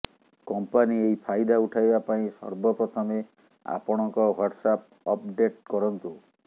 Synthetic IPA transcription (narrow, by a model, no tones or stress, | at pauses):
kɔmpaniejpʰajd̪auʈʰajbapaĩsɔ̰ɾbɔpɾɔt̪ʰɔme | a̰pɔɽ̃ɔŋkɔwaʈsap̚ | ɔpɖeʈkɔɾɔnt̪u